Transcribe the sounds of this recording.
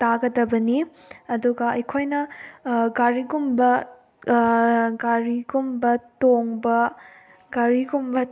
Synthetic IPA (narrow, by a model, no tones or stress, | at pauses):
taɡɐdɐbɐni | ɐduɡɐɐjkʰojnɐ | ɡaɾiɡumbɐ | ɡaɾiɡumbɐtoŋbɐ | ɡaɾiɡumbɐ